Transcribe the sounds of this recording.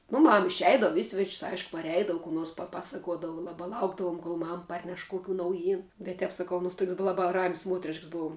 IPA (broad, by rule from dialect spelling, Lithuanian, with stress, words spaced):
nʊ ˈmɐm ɪʃʲˈɛɪdɐʋʊ ˈɪ sʲʋʲɛt͡ʃʲsʲ ˈɐɪʃkʊ pɐrʲˈɛɪdɐʋʊ kuː ˈnoːrs pɐˈpɑːsɐkuɔdɐʋʊ ˈlˠɑːbɑː ˈlˠɐʊɡdɐʋuɔm koːlˠ ˈmɐm ˈpɐrʲnʲɛʃ ˈkoːkʲuː nɐʊˈjiːn bʲɛt ˈtʲɛp sɐˈkɐʊ ɐˈnuɔs tuɔkʲsʲ bʊ ˈlˠɑːbɐ rɐmʲsʲ ˈmuɔtʲrʲɪʃks ˈboːw